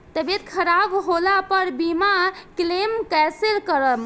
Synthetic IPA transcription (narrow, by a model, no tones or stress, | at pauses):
t̪əbet̪kʰəɾabɦolapəɾbimaklemkɛselkəɾəm